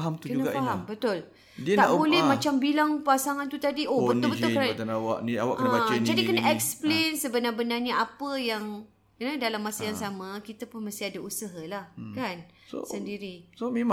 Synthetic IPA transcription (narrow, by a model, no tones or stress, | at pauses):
ɦamt̪ukəunəɡafaɦambət̪ʊl | diət̪abolɛhmãt͡ʃambilaŋpasaŋant̪ut̪adiʔobət̪ʊbəʊlkəɾnt̪anawa̰ʔnia̰wa̰ʔkəñaad͡ʒadikənaʔɛksplensəbənarbənarɲəapəjaŋ | nədalamːasajaŋsamakit̪apʊnməst̪iadausəɦalahkan | so̰səndiɾisomem